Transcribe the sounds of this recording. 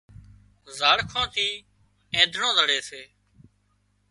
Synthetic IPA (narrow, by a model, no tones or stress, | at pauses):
zaːɽkʰõːt̪ʰiː | ẽːd̪ʱɳõːzəɽeːseː